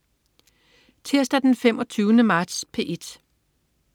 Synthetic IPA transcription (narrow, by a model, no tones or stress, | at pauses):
t͡sʰeɐ̰sd̥æd̥enfemʔɒ̽t͡sʰyːʊnəmɑ̈ːd̥spʰe̝ːʔed̥